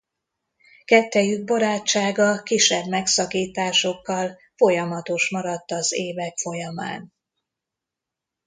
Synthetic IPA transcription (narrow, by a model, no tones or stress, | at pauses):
kɛt̪ːɛjyɡ̚boɾaːt͡ʃːaːɡɒkiʃɛbmɛksɒkiːt̪aːʃo̞kːɒl | fo̞jɒmɒt̪o̞ʃmɒɾɒt̪ːɒzeːvɛkfo̞jɒma̰ːn